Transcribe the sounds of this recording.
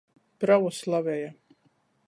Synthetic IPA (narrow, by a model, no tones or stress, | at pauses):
pɾavuslˠavɛja